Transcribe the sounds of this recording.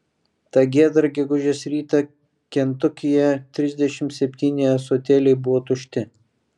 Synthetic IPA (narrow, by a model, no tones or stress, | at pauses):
t̪ɑɡʲeːd̪ɾɡʲɛɡʊʒʲeːsɾʲiːt̪ɐ | kʲɛnt̪ʊkʲɪjɛt̪ʲɾʲɪzʲd̪ʲɛʃʲɪmt̪sʲɛpʲt̪ʲiːnʲejɛsoːt̪ʲeːlʲɛɪbʊʋoːt̪ʊʃʲt̪ʲɪ